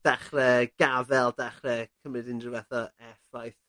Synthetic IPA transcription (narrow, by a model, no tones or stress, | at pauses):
d̥aχrɛɡ̥avɛlˠdaχrɛkʰəmrɨdɪndrɪwaθɔɛfajθ